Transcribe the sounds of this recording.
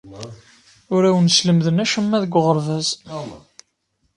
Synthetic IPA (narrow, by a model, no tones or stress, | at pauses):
ʊɾæwənsləmðənæʃəmːæðəɡʷʁəɾˤvæz